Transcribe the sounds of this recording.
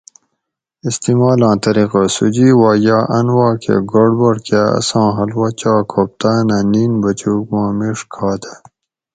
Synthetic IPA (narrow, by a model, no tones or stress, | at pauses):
ist̪imaːlɑ̃ːt̪ɐɾiqasud͡ʑiːwaːjaːʔɐnwaːkʰḛɡoɖbɐɽkaːɐ̰sãːɦɐlwɐt͡ɕaːkʰop̚t̪aːnaniːnbɐt͡ɕuːkmãːmiʂkʰɑːt̪ʰa